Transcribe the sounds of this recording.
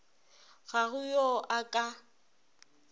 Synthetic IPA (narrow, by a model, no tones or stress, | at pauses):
ɣaɣʊjoʔakʼa